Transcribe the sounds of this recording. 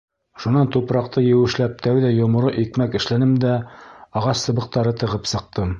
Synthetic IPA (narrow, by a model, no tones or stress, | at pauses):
ʃunɑnt̪upɾɑq̚t̪ɤjɘ̆wɘ̆ʃlæp̚t̪æwðæjŏmŏɾɤʔikmækɘ̆ʃlænɘmd̪æɑʁɑsːɤ̆βɤ̆q̚t̪ɑɾɤt̪ɤ̆ʁɤpsɤ̆q̚t̪ɤm